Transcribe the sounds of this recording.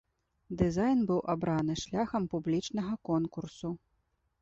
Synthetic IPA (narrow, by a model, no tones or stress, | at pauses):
d̪ɨzajnbɨwʔabɾanɨʂlʲaxɐmpublʲit͡ʂnɐɣɐkɔnkursu